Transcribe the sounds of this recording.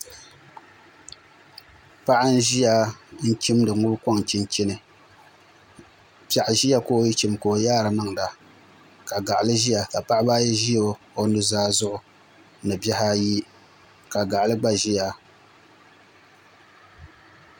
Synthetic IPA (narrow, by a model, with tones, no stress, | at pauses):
pa˦ʔa˦n̩˦ʒi˦ja˨˦n̩˦t͡ʃi˦mdɨ˨ŋʊ˦bka˦ŋt͡ʃi˦nt͡ʃɪ˦nɨ˨ | pa˨ʔa˨ʒi˦ja˦koː˦ji˦t͡ʃi˦˨mkoː˨jaː˦ɾɨ˨ma˦ŋ˨da˨ | ka˨ɡa˨ʔlɨ˦ʒi˦ja˨ka˨pa˦ʔba˦jɛ˦ʒi˦o˦ | o˦nɨ˦zaː˦zʊ˦ʔʊ˨ | nɨ˨ba˦ha˦ji˦ | ka˨ɡa˨ʔa˨lɨ˦ɡ͡ba˦ʒi˦ja˨